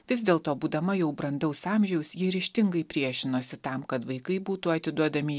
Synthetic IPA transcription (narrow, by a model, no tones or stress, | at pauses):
ʋʲɪzd̪ʲeːlˠt̪oːbuːd̪ɐmɐjɛʊbɾɐnd̪ɐʊsɑːmʲʒʲɛʊsjiɾʲɪʃʲt̪ʲɪŋɡɐɪpʲɾʲiɛʃʲɪnoːsʲɪt̪ɐmkɐt̪ʋɐɪkɐɪbuːt̪uːɐt̪ʲɪd̪uɔd̪ɐmʲɪ